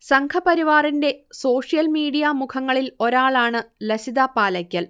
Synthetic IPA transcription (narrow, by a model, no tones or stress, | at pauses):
sɐŋkʰɐpɐɾiʋaːrinde̞so̞ːʂijɐlmiːɽijɐmukʰɐŋːɐɭilo̞ɾaːɭaːɳɨlɐsid̪apaːlɐkʲːɐl